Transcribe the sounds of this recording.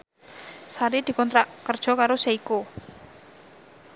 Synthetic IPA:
saɾid̪̥i̤kɔnt̪ɾaʔkərd̥ʒ̥ɔ̤kaɾoseiko

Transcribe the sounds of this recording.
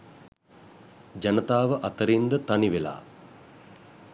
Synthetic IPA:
d͡ʒanət̪aːʋəʔat̪əɾind̪ət̪aniʋela̰ː

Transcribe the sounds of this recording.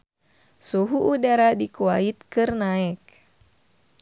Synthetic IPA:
suɦuʔːdaɾadikuait̪̚kɨrnaɛk̚

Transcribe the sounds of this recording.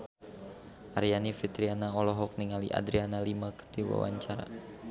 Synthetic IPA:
ʔaɾjanifit̪ɾianaɔlɔɦɔk̚niŋalḭʔa̰dɾianalimakərd̥iwa̰wa̰ɲt͡ʃaɾa̰

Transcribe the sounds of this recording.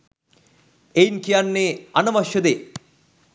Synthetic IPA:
ejinkijanːeɐnɐmɐʃːɐd̪e

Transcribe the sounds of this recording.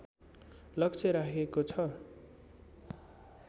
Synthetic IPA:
lʌkt͡sʰʌɾakʰekot͡sʰʌ

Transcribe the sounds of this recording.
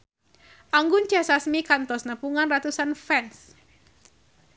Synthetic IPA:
ʔaŋɡʊnd͡ʒasasmikant̪ɔsnəpuŋanrat̪usanfɛns

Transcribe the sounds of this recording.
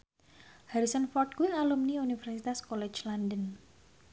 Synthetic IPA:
haɾisənfɔrt̪̚kuwialumniunifɛrsit̪askɔlɛ̥t͡ʃlandən

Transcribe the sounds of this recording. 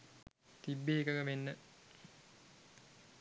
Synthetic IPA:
t̪ibːeɦekəkəmenːə

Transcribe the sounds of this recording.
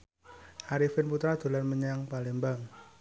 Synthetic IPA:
aɾifɪnput̪ɾad̪̥o̤lanməɲaŋpalembaŋ

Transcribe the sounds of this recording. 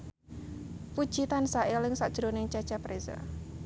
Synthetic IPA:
pud̥ʒ̥i̤t̪ansaʔelɪŋsaʔd̥ʒ̥ɾonɪŋt͡ʃḁt͡ʃapɾeza̰

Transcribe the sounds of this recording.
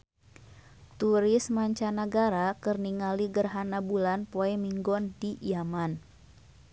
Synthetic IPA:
t̪uɾɪsmaɲt͡ʃanaɡaɾakərniŋaliɡərɦanabulanpoɛmiŋɡɔndijaman

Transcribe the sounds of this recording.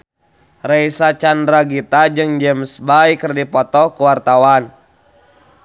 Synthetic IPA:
rɛisat͡ʃandɾaɡit̪ad͡ʒɨŋd͡ʒɛmsbaikɨrdipɔt̪ɔkuwart̪awan

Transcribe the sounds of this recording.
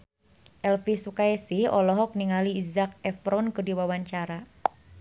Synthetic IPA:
ʔɛlfisukaɛsɪhɔ̰lɔɦɔk̚niŋaliːzak̚ɛfɾɔnkərdiwawaɲt͡ʃaɾa

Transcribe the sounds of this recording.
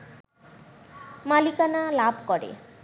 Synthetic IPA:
malikanalabʱkɔɽḛ

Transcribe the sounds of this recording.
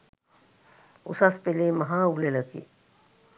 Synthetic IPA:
ṵsaspeleːmaɦaːuleləkḭ

